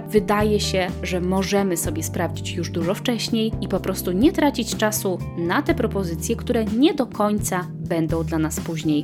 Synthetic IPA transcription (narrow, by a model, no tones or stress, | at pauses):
vɘd̪ajɛɕɛʐɛmɔʐɛmɘsɔbʲjɛspɾavd͡ʑit͡ɕjuʐd̪uʐɔft͡ʂɛɕɲejipɔpɾɔst̪uɲɛt̪ɾat͡ɕit͡ɕt͡ʂasunat̪ɛpɾɔpɔzɘt̪sʲjɛkt̪uɾɛɲɛd̪ɔkʰɔɲt̪sa | bɛnd̪ɔ̃w̃d̪lanaspuʑɲej